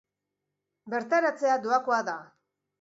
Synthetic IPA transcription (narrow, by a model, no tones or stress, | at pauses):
be̞ɾt̪aɾat͡se̞ad̪uakoaða